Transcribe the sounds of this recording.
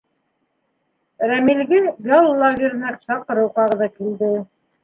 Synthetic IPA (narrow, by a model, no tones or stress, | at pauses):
ɾæmilɡɘɡalˠːɑɡʲiɾnæksɑqɤ̆ɾɤwqɑʁɤ̆ðɤkild̪ɘ